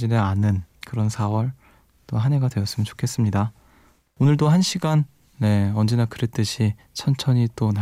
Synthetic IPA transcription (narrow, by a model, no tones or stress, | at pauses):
d͡ʑineanɯnkɯɾʌnsʰawʌɭ | t͈oɦane̞ɡadwe̞ʌs͈ɯmjʌnt͡ɕo̥kʰe̞s͈ɯmɲida | onɯɭdohanɕʰiɡanː | e̞ʌnd͡ʑe̞nakɯɾe̞t͈ɯɕʰi | t͡ɕʰʌnt͡ɕʰʌɲit͈ona